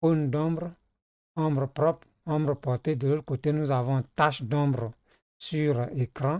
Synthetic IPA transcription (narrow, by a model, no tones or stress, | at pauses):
ondɔ̃bɾ | ɔ̃bɾpɾɔp | ɔ̃mbɾpɔt̪edəlot̪kot̪enuzavɔ̃taʃdɔ̃bɾ | syɾekɾã